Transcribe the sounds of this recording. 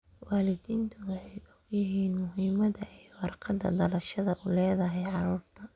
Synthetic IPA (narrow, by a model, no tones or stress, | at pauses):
wɑːlɪd̪iːnt̪ʰʊwʊħɛjɔɡjɪɦiːnmʊɦiːmɐðɐʔɛjwɐrqʰɐd̪ɐ̰d̪ɐlɐʃɐðɐʔʊlɛːðɐɦɛjʕɑɾuːrt̪ʰɐ